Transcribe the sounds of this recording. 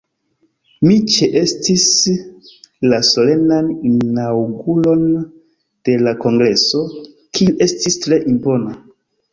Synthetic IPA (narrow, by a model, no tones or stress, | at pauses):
mit͡ʃeʔe̞stis | laso̞le̞naninawɡulo̞n | d̥e̞lako̞ŋɡɾe̞so̞ | kʰiuʔe̞stistɾe̞ʔimpo̞na